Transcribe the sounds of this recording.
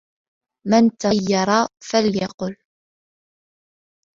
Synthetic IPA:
mant̪ɑjːɑɾˤɑːfaljɑqʊl

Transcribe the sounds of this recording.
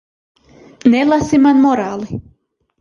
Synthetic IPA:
nelˠasimanmoɾaːli

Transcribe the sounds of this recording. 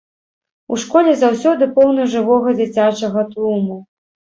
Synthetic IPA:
uʂkɔlʲɛzawsʲɔd̪ɨpɔwnɐʐɨvɔɣɐd͡zʲit͡sʲat͡ʂɐɣɐt̪ɾumu

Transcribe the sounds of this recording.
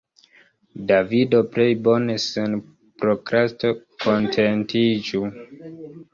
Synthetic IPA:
davido̞ple̞jbo̞nesen | pɾokɾasto | kʰo̞ntʰentʰid͡ʒu

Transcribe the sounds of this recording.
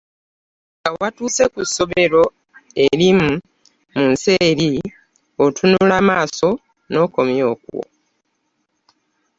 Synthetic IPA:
ɡawatuːse̞kusːo̞βe̞ɾo̞ | eɾimu | munse̞ːɾi | otʰunulamaːso̞ | no̞ko̞mjo̞ːkṵwo̰

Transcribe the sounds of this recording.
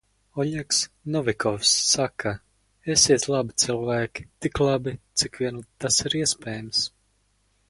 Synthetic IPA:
ɔɲʲɛksnɔvʲikɔfsːaka | esiɛt̪lˠabit̪silˠvæːkʲi̥t̪iklˠabit̪sikvʲiɛnut̪asiɾiɛspʲɛːjams

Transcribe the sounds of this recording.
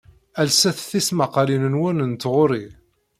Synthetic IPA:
ælsæθθismɑqɑlinənwænənt̪ːʁʊɾi

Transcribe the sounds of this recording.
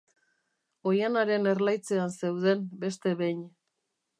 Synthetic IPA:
o̞janaɾe̞ne̞ɾlajt͡se̞anse̞wð̞e̞mbest̪e̞βe̞ɲ

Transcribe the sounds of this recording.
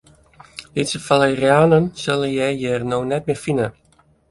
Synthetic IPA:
ditsəfalˠərjaːnənsølˠəjɛjjɛrnoːnɛt̚mɪfinə

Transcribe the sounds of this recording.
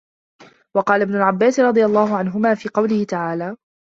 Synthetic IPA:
wɑqɑːlabnʊlʕabːaːsɾˤɑd̪ˤɨjalˤːɑːhʊʕanɦʊmaːfiːqɑwlɪhɪt̪aʕaːlaː

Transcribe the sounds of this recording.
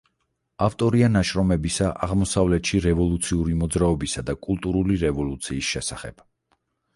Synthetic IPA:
aft̪ʼɔɾianaʃɾɔmɛbisaʔa̰ʁmɔsavlɛt̪ʃiɾɛvɔlˠut̪sʰiuɾimɔd̪zɾaɔbisad̪akʼulˠt̪ʼuɾuliɾɛvɔlˠut̪sʰiːsʃɛsaχɛ̰b̥

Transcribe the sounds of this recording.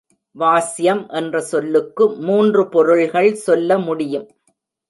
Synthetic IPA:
ʋaːsɪjɐmʔɛndrɐsɔlːɯkːɯmuːndrɯpɔɾɯɭɣɐɭsɔlːɐmʊɽɪjɯm

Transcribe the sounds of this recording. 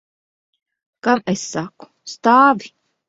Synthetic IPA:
kamesːaku̥st̪aːvi

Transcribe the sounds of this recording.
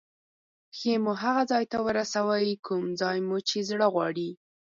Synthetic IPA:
xemuɦaɣazɑjt̪awəɾasawəjkʰumd͡zɑjmut͡ʃezɽəɣwɑɽi

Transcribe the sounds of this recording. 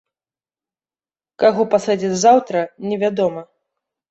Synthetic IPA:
kaɣɔpasad͡zʲid͡zʲzawt̪ɾɐnʲɛvʲad̪ɔmɐ

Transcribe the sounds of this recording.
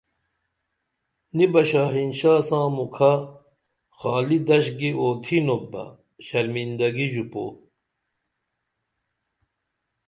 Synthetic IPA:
nibɐɕaːɦinɕaːsãːmukʰa | xaːlid̪ɐɕɡiʔoːt̪ʰinobːɐ̰ | ɕɐɾmind̪ɐɡiʑupo̰ː

